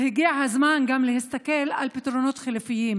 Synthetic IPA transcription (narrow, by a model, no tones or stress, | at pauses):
hɪɡiːaʕhazmaːnɡamlɪhɪst̪akelʔalpet̪ɾonoːt̪xelfɪjːiːm